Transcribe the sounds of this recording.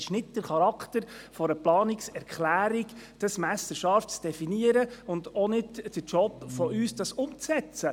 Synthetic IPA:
ɪʃnɪtd̥əχɑɾɑkt̪əɾfɔɾəplɑːnɪksɛɾkχlæːɾikd̥ɑsmæsəɾʃɑftt͡sd̥ɛfiniəɾəʊndɔnɪdd̥ət͡ʃɔpfɔʔyːsd̥ɑsʊmt͡sɛt͡sə

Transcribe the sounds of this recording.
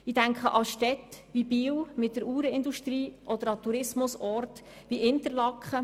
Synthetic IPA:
id̥æŋkχəʔɑʃtɛtʋibiːwmɪt̚dəɾuːɾəɪnd̪uʃtɾiːʔɔd̪əɾɑt̪uɾɪsmʊsɔrt | ʋiʔɪnt̪əɾlɑkχə

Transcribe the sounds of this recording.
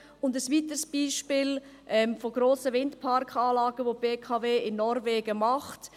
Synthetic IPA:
ʊndəsʋiːtəsb̥iːʃpɪːl | ʔɛmfoɡ̥ɾoːsəvɪndpʰɑɾkχɑːlɑːɡ̥əʋob̥eːkʰɑveːɪnːɔɾveːɡ̥əmɑχt

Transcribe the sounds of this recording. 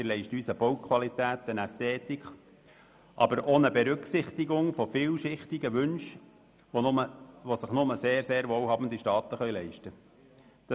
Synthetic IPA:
ɪlɛɪʃtyːsəb̥owkʰʋɑlit̪æːt̪ənæst̪ɛːt̪ikχ | ʔɑ̰bəɾʔoːnəbɛɾʏksɪχt̪iɡʊŋfofiːlʃɪχt̪ɪɡəʋʏnʃ | əʋosəχnʊməseːɾseːɾʋoːwhɑbn̩diʃtɑːt̪əχœɥlɛɪʃtə | d̪̥

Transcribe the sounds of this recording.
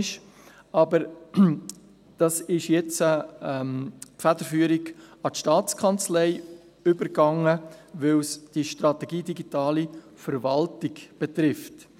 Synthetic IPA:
ʃ | ɑbəɾ | d̥ɑsɪʃjɛt͡səɛmpfæd̥əɾfyːəɾiɡɑtʃtɑːt͡skʰɑnt͡slɛɪ | ʏbəɾɡɑŋəʋɪlsd̥iʃtɾɑtɛɡiːdiɡitɑːli | fəɾvɑltɪɡb̥et̪ɾɪft

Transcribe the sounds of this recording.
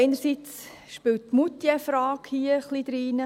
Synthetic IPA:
eɪnəɾsit͡s | ʃpɪwt̚ːmutːjɛfɾɑːkhiəχlid̥̪ɾiːnə

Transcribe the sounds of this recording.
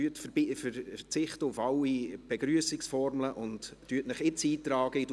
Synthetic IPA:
yətffəɾt͡sɪχtəʊfɑlːib̥ɛɡɾyəsɪksfɔɾmləʔʊntːyətnəχɪt͡siːt̪ɾɑːɡ̥əid

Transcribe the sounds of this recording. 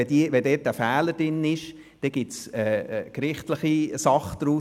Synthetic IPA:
ɛdiʋɛdɛːt̚æfæːləd̥ɪnɪʃ | d̥ɛɡ̥ɪtsɛːkɾɪχtləχisɑχd̪̥ɾu

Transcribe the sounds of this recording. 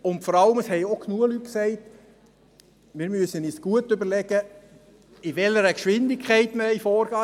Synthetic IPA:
ʊntfɔɾɑləməshɛɪokʰnuəlyt̚ksɛɪt | mɪːɾmyəsənisɡ̥uətøbəɾlɛɡ̥ə | ɪʋɛləɾəkʃʋɪndɪkʰχæɪtməɪfɔːɾɡ̥ɑː

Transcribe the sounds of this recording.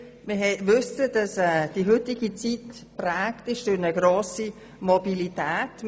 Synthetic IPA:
mɪɦɛʋʉsəd̥ɑsɛːd̥iɦʏtɪɡit͡sitprɛːktɪʃd̥ʊɾnəɡɾoːsi | mobilitɛːt

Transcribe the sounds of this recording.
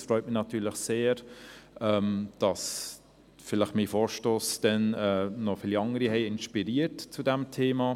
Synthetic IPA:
frɔʏtmɪnɑtʰyːləχseːɾɛːmd̥ɑs | fɪləχmifoːɾʃtoːsd̥ɛnɛnɔfɪːliɑŋəɾihɛɪɪnʃpiɾiːəɾtt͡sudɛmtʰeːmɑ

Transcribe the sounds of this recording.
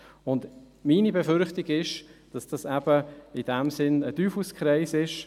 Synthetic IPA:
ʊnd | miːnibɛfʏɾχtɪɡɪʃd̥ɑsd̥ɑsɛb̥əid̥ɛmsɪnədyːfuskʰɾɛɪsɪʃ

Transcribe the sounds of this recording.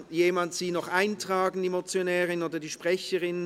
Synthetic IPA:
jeːmantz̥iːnɔχʔaɪntʁ̥aːɡn̩diːmot͡sjonɛːʁɪnoːdɐdiːʃpʁ̥ɛçəʁɪn

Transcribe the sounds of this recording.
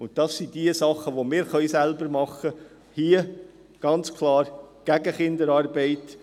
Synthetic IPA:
ʊnt̚tɑsːid̥iəsɑχəʋomɪːɾχœʏsælbəɾmɑχːə | hiə | ɡ̥ɑnt͡skʰlɑːɾɡ̥æɡəχɪnd̪əɾɑːrbɛɪt

